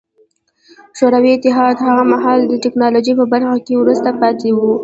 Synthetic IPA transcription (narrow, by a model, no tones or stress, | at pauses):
ʃoɾawiɪt̪ɪɦɑd̪haɣamaɦɑld̪əʈɪknɑloʒipəbaɾxakewɾust̪apɑt̪ewu